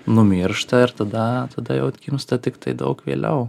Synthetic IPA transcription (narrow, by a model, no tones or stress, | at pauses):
nʊmʲɪɾʃt̪ɐɪɾt̪ɐd̪ɐt̪ɐd̪ɐjɛʊkʲimst̪ɐt̪ʲɪkt̪ɐɪd̪ɐ̰ʊkʋʲḛːlʲɛ̰ʊ